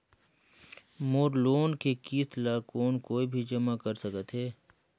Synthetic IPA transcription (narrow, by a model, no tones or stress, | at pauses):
moːɾloːnkekiːt̪laːkoːnkoːibʱid͡ʒɐmakɐɾsɐkət̪ɦeː